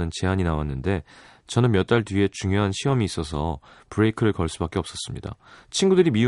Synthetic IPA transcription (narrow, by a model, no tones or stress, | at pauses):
nɯnt͡ɕe̞ɦaɲinawanːɯnde̞ | t͡ɕʌnɯnmjʌt͈aɭtɥie̞t͡ɕuŋjoɦanɕʰiʌmiːs͈ʌsʰʌpɯɾe̞ikʰɯɾɯɭkʌɭs͈ubak͈e̞ʌp̚s͈ʌs͈ɯmɲida̰t͡ɕʰinɡudɯɾimi